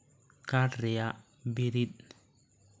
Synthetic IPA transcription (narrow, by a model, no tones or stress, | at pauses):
karea | biɾit̪̚